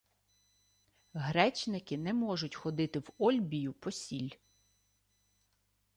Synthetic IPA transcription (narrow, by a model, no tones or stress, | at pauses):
ɦɾɛt͡ʃnɪkɪnɛmɔʒʊtʲxɔd̪ɪt̪ɪwɔlʲbʲijʊpɔsʲilʲ